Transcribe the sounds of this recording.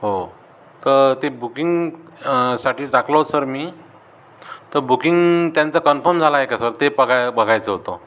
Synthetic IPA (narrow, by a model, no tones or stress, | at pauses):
ɦo | t̪əɾt̪ebukiŋɡ | saʈiːʈaklosəɾmiː | t̪əɾbukiŋɡt̪jant͡sakənfəɾmd͡zʱalaɦekasəɾt̪epəɡabəɡʱajt͡səɦot̪o